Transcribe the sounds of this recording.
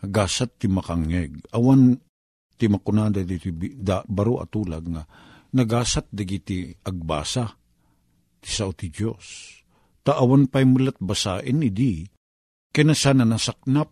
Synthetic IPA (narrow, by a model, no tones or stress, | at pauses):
ɡaːsat̪ːimɐkaŋːɛɡ̚ɐwan | t̪imakʊnad̪ad̪it̪ibd̪abɐɾoʔɐ̰t̪uːlaɡ̚ŋa | nɐɡaːsat̪̚d̪ɐɡit̪iɐɡ̚ba̰ːsa | t̪ɪ̥saot̪id͡ʒos | t̪aʔɐwanpajmʊlat̪̚basaːʔɪnɪd̪i | kɐnasaːnanasak̚nap̚